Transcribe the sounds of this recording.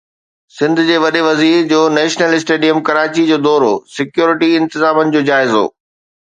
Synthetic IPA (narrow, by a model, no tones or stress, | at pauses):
sɪ̃nd̪ʱʊd͡ʑeːʋɐɗeʋɐziːɾd͡ʑoːnɛːʃnəlɪs̬ʈeːɖijəmkɐɾaːt͡ɕid͡ʑoːd̪ɔːɾosɪkjoːɾɪʈiɪ̃nt̪ɪzaːmənɪ̆d͡ʑoːd͡ʑaːɪzo̰ː